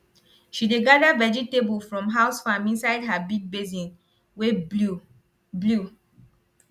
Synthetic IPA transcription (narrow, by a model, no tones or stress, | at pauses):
ʃideɡadavɛd͡ʒitebulfɹɔ̃mɦaʊsfãmĩnsaɪdɦabid̚bezĩn | we | blu